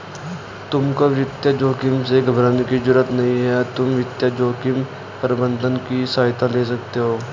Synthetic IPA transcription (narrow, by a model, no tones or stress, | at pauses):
t̪ʊmkaʋɪt̪jad͡ʒoːkɪmseɡʱəbɾaːnikid͡ʒʊɾət̪nɐɦĩɦɛt̪ʊmʋɪt̪jad͡ʒoːkɪm | pəɾbə̃nd̪ʱənkisaːɦɪt̪aleːs̬ɐk̚t̪eɦoː